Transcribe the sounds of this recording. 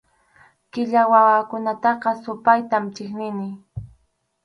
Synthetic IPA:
kɪʎawawakʊnat̪ɑqɑsʊpajt̪amt͡ʃɪknɪnɪ

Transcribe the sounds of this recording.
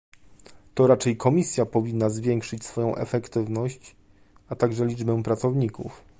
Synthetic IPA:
t̪ɔɾat͡ʂɛjkʰɔmʲisʲjapɔvʲinːazvʲjɛŋkʂɘt͡ɕsfɔjɔ̃w̃ʔɛ̰fɛkt̪ɘvnɔɕt͡ɕ | at̪aɡʐɛlʲid͡ʐbɛ̃pɾat̪sɔvɲikṵf

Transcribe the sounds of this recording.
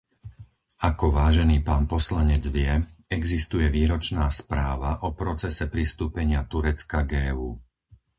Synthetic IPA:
akɔʋaːʒɛniːpaːnpɔslaɲɛd͡zʋɪɛɛɡzist̪ujɛʋiːɾɔt͡ʃnaːspɾaːʋaʔɔpɾɔt͡sɛsɛpɾist̪uːpɛɲɪat̪uɾɛt͡skaɡɛːuː

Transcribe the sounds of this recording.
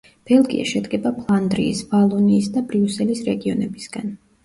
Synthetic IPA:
b̥ɛlˠɡḭa̰ʃɛd̪ɡɛbapʰlˠand̪ɾḭːsvalˠɔniːsd̪abɾiusɛlisɾɛɡiɔnɛbisɡ̥an

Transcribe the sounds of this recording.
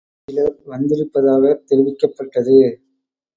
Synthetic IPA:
ɪlɐɾʋɐnd̪ɪɾɯpːɐðaːɣɐt̪ɛɾɪʋɪkːɐpːɐʈːɐðɯ

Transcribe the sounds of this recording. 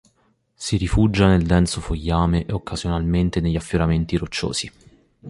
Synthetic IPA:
siɾifud͡ʒːaneld̪ɛnt̪sofojːaːmeʔokːazjonalment̪eneʎːafːjoɾament̪iɾot͡ʃːo̰ːsz̥i

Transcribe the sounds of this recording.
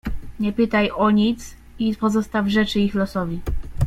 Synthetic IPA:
ɲɛpɘt̪ajʔɔɲit̪s | ipɔzɔst̪avʐɛt͡ʂɘixlɔsɔvʲi

